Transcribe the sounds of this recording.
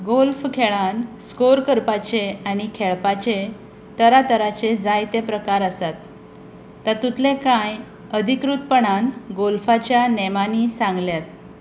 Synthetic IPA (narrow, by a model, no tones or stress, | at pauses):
ɡolfkʰeɭanskoɾkəɾpat͡ɕeañikʰeɭpat͡ɕe | t̪əɾat̪əɾat͡ɕed͡zajt̪epɾəkaɾəsat̪ː | at̪ut̪lekãj | əd̪ʱikɾut̪̚pəɳanɡolfat͡ɕjanemanisãŋɡljat̪̚